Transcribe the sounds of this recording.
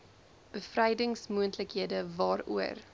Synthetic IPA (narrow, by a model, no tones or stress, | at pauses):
b̥əfrɛjdəŋsmuəntləkɦiədəvɑːɾṵər